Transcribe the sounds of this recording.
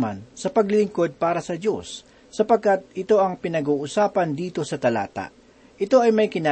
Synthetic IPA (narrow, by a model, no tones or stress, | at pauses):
ma̰nsɐpɐɡlɪlɪŋko̞d̪̚paːɾɐsɐd̪o̞sː | ɐpɐɡ̚kat̪̚ɪt̪o̞ʔɐŋpɪnɐɡuːʔʊsaːpɐnd̪iːt̪o̞sɐt̪ɐla̰ːt̪a̰ʔ | ʔɪt̪o̞ʔɐjmɐjkɪna